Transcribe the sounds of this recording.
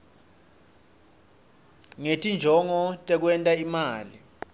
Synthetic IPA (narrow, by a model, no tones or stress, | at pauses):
ŋetʼind͡ʒʱɔŋɔtʼɛk̬wɛntʼaimaːli